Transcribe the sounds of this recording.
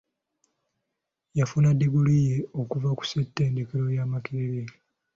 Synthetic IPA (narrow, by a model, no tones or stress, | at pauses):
jafunadːeɡulijeokuvaku̥setːe̞ːnde̞keɾo̞jaːmakiɾeɾe